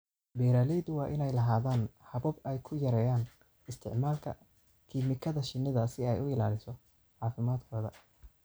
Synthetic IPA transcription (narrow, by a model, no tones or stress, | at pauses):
bɛːɾaːlɛjðʊwɑːʔɪnɛjlɐɦaːðaːnhɐβɐbɛjkʰʊjɐɾɛːjaːn | ɪst̪ʰɪ̰ʕmaːlkʰɐ̰ | kʰiːmɪkʰɐðɐʃɪnːɪðɐsɪɛjʊɪla̰ːlɪsɔ | ʕɑːfɪmaːd̪kʰɔːðɐ̰